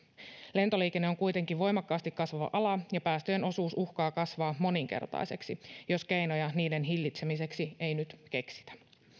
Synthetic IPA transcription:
le̞nt̪o̞liːk̟enːeoŋkujt̪e̞ŋkiʋo̞jmɑkːɑːst̪ikːɑsʋɑʋɑ̰ʔɑlɑjɑpæːst̪øjenʔo̞suːsuxkɑːkɑsʋɑːmo̞niŋk̟e̞̰rt̪ɑ̰jse̞̰ksijo̞ske̞jno̞jɑniːde̞nɦilːit̪se̞mise̞ksie̞jnyt̪ke̞ksi̥t̪æ̥

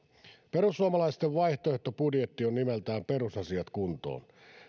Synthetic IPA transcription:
pe̞ɾusːuɑmɑlɑist̪eʋʋɑjht̪oeht̪opudjet̪ːionːimelt̪æːmpe̞rusɑsiɑt̪kunt̪o̰ːn

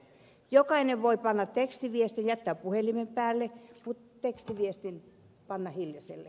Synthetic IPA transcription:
jokɑineʋʋoipɑnːɑtt̪ekst̪iʋiest̪injæt̪ːæːppuhelimempæːlːekut̪ekst̪iʋiest̪in | pɑnːɑhiljɑsḛlːḛ

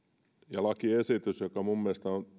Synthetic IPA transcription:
jɑlɑkiesit̪ysjokɑmumːiest̪æon

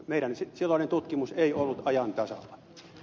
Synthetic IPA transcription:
meˑilænsisilːɑˑinent̪ut̪kimuseiolːut̪ɑjɑnt̪ɑsɑ̰lːɑ̥

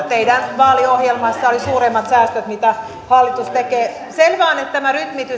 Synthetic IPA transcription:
t̪eidænʋɑːliohjelmɑsːɑolisuːremːɑt̪sæːst̪øt̪mit̪æ | hɑlːit̪ust̪ekeː | selʋɑːnet̪t̪æmæryt̪mit̪y

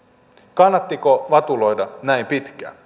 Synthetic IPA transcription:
kɑnːɑt̪ːiko̞ʋɑt̪ulo̞jdɑnæjmpit̪k̟æ̰

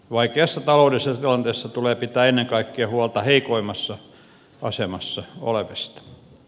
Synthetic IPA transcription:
ʋɑikeɑsːɑt̪ɑlouleˑlisesɑt̪ilɑnt̪eːˑsːɑt̪uleːpit̪æːenːeŋkɑikːiɑhuɑlt̪ɑheikoimɑsːɑ | ɑ̰semɑsːɑo̰leʋest̪ɑ̥

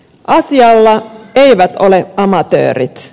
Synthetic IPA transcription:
ʔɑsiɑlːɑeiʋæt̪oleɑmɑt̪ø̰ːɾḭt̪

